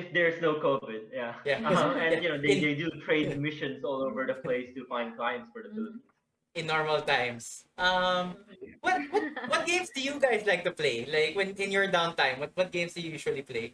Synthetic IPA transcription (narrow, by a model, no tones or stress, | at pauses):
ɪfd̪ɛɹsnoʊkovɪd̪̚jajaʌɛ̃jɨnod̪ed̪eɪdut̪ʰɹeɪdmɪʃɔ̃nsɔloʊvəɹd̪əpleɪst̪ufãɪ̃nd̪̚klaɪɛ̃ntsfɔɹd̪əfɪlˠi | ɪ̃nːɔɹmɐlt̪ãɪ̃msʔʌmwʌt̪̚wʌtwʌt̪̚ɡ̥ẽɪ̃msd̪ujuɡaɪslaɪk̚t̪ʊpleɪlaɪkwɛ̃nɪ̃njɔɹd̪ãʊ̃nt̪ãɪ̃mwʌt̪̚wʌt̪̚ɡ̥ẽɪ̃msd̪ujujuːʃuɐlipleɪ